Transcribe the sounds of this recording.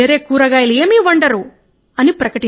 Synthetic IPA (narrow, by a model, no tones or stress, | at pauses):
eːɾeːkuːɾɐɡaːjɐleːmiːʋɐɳɖɐɾu | ɐnipɾɐkɐʈi